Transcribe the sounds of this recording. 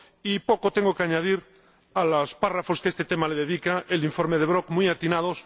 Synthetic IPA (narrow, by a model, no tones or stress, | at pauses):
ipo̞kot̪eŋɡokeaɲaðiɾ | alosparafoskest̪et̪emaleðeðikaʔeliɱfo̞ɾmeð̞eβɾokmujat̪inað̞os